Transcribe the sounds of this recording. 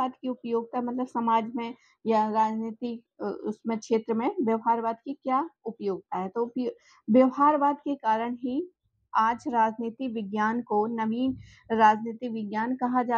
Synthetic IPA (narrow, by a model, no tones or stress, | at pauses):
aːd̪kiʊpjoːɡ̚t̪aɦɛmɐt̪ləbsɐmaːd͡ʒmẽ | jaɾaːd͡ʒniːt̪ik | ʊsmẽkʃeːt̪ɾəmẽʋjɐʋɦaːɾʋaːd̪̚kikjaːʊpjoːɡ̚t̪aɦɛt̪op | ʋjɐʋɦaːɾʋaːd̪kekaːɾəɽ̃ɦi | aːd͡ʒɾaːd͡ʒniːt̪ikʋɪɡjaːnkonɐʋiːn | ɾaːd͡ʒniːt̪ikʋɪɡjaːnkɐɦad͡ʒaː